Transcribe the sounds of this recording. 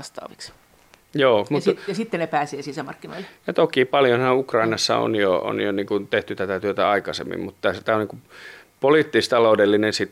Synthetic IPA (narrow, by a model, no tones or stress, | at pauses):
ɑst̪ɑ̰ːʋiks | joːmut̪jɑsit̪ːenepæːseːsisæmɑ̰rkːino̰ilːjɑt̪okiːpɑljonhɑukrɑinɑsːɑ̰o̰njoo̰njoniːŋkunt̪eht̪yt̪æt̪æt̪yøt̪æɑikɑsḛmːḭmmut̪t̪æst̪æːoniːŋku | poliːˑt̪ːist̪ɑloudelːinensit̪